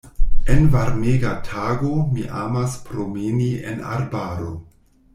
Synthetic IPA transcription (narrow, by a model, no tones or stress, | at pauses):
envaɾmeɡatʰaɡo̞miʔamaspɾo̞meniḛna̰ɾbaɾo̞